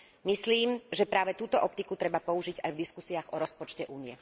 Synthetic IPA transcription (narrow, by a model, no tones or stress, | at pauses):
misliːmʒɛpɾaːʋɛt̪uːt̪ɔʔɔp̚t̪ikut̪ɾɛbapɔuʒiɟajvd̪iskusiaːɣɔɾɔspɔt͡ʃcɛʔuːnijɛ